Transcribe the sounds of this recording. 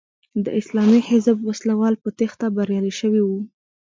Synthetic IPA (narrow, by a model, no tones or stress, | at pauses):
d̪ə̰ɪslɑmihɪzbwaslawɑlpət̪ext̪abaɾjɑliʃəwiwu